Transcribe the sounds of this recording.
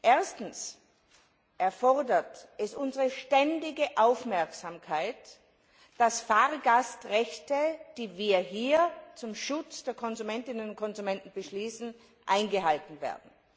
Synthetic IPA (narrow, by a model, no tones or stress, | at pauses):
ʔeːɐstn̩s | ʔɛɐfɔʁdɐtʔɛsʔʊnzəʁəʃtɛndɪɡəʔaʊfmɛɐksamkʰaɪt | d̥asfaːʁɡastʁɛçtəd̥iːviːɐɦiːɐt͡sʊmʃʊt͡sd̥eːɐkʰɔnzumɛntɪnənʊnt̚kʰɔnzumɛntn̩bəʃliːsn̩ | ʔaɪnɡəhaltn̩vḛːɐdn̩